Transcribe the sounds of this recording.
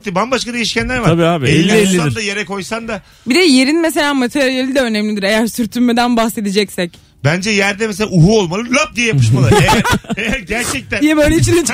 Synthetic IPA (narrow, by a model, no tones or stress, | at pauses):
t̪ibanbaʃkad̪ejiʃcænlʲæɾvaɾabiːaːbieelʲːiɛellʲːeaiɾd̪aje̞ɾɛkʰo̞jsand̪a | bid̪ɛje̞ɾinmes̬e̞lʲaːmat̪ʰeɾɾijelʲid̪ɛø̞nɛmlʲid̪iɾe̞jæɾsyɾt̪ʰylmed̪ænbahse̞d̪id͡ʒɛcsɛc | bænd͡ʒɛjæɾd̪ɛmɛselʲaʔuɦuolˠmalˠɯlˠap̚d̪ijɛjapɯʃmalˠɾeɾejæɾɟæɾt͡ʃʰɛc̚t̪ʰænd̪ijɛbøjlʲeit͡ʃinɛ